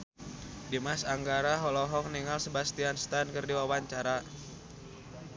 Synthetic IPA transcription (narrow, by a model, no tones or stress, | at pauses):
dimasaŋɡaɾaɦɔlɔɦɔkniŋalsəbast̪ianst̪ankərdiwawaɲt͡ʃaɾa